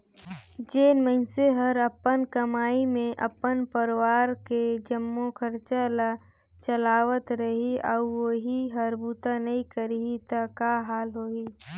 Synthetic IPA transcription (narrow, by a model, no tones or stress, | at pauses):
d͡ʒeːnmə̃ɪnseɦəɾəpːənkəmaːimẽʔəpːənpəɾʋaːɾked͡ʒəmːokʰəɾt͡ʃala | t͡ʃəlaːʋət̪ɾəɦiɔːɾwoɦiɦəɾbuːt̪anɐɦĩkəɾiɦit̪əkaɦaːlɦoːiː